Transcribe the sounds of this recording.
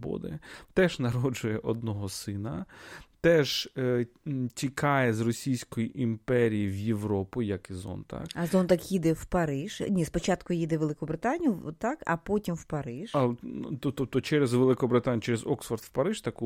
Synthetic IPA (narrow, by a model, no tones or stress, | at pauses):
bɔ̰d̪ɪ̰t̪ɛʒnɐɾɔd͡ʒʊjɛʔɔd̪̚nɔɦɔsɪnɐt̪ɛʒ | tʲikʰɑjɛzrɔsʲijsʲkɔjiʔimpɛɾʲijiʋjeʋɾɔpʊjɐkɪzɔ̰nt̪ɐ̰kɐzɔnt̪ɐkjid̪ɛwpɐɾɪʒ̥nʲispɔt͡ʃɑt̪kʊjid̪ɛʋelˠɪkɔbɾɪt̪ɑnʲijʊt̪ɑkɐ̰pɔtʲimwpɐɾɪʒ̥ɐlˠt̪ɔpt̪ɔp̚t̪ɔt͡ʃɛɾezʋelˠɪkɔbɾɪt̪ɑnʲt͡ʃɛɾezɔksfɐrd̪wpɐɾɪʒt̪ɐku